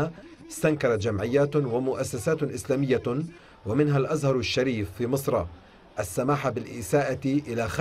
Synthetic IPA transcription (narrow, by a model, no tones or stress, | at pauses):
aɪst̪ankɑɾˤɑt̪d͡ʒamʕɪjːaːt̪wamʊʔasːasaːt̪ʔɪslaːmɪjːa | wamɪnɦalʔazhɑɾˤaʃːaɾiːfːiːmɨsˤɾˤɑ | ʔasːamaːħabɪlʔɪːsaːʔaʔɪlaxa